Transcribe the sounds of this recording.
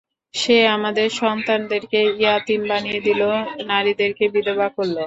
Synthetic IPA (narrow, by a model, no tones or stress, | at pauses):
ʃeamad̪eɾʃɔnt̪and̪eɾkeijat̪imbanijed̪ilonaɾid̪eɾkebid̪ebakoɾːo